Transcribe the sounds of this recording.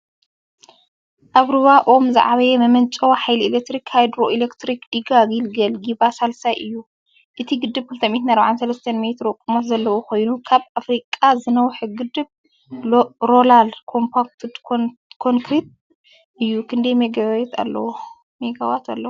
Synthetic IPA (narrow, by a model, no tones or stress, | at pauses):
ʔaβɾɨβaʔomza̰ʕaβɐjɛmɐmɐnt͡ʃʼowħajliilek̚t̪ɾikhajd̪ɾoʔilekt̪ɾikd̪̥iɡaɡilɡɐlɡibasalsajʔɨjːu | ʔɨt̪ʰiɡɨd̪ːɨbkʰɨlt̪ʰɐmit̪naɾβaʕansɐlɐst̪ʰɐnmet̪ɾokʼumot̪zɐlːɐwoko̞jnukʰaβafɾikʼːazɨnɐwħɨɡɨd̪ɨβ | ɾolalkʰo̞mpʰak̚t̪ʰd̪kʰoŋkʰɾit̪̚ | ʔɨjːukʰɨnd̪ɐjmeɡaɛt̪ʰa̰lːɐ̰wo | meɡawat̪ʰalːɐwo